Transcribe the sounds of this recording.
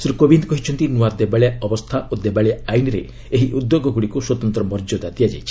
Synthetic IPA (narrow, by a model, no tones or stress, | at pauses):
sɾukobind̪kɔɦit͡ʃʰɔnt̪inuwad̪ebaɭeaɔbɔst̪ʰaʔod̪ebaɭejaajniɾe | eɦiʔud̪ːjoɡɔɡuɽikuswɔt̪ɔnt̪ɾɔmɔɾd͡ʒɔd̪at̪ijad͡ʒajt͡ʃʰi̥